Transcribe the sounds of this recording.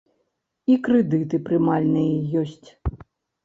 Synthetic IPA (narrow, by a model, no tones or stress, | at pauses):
ikɾɛd̪ɨt̪ɨpɾɨmalʲnɨjɛjɔsʲt͡sʲ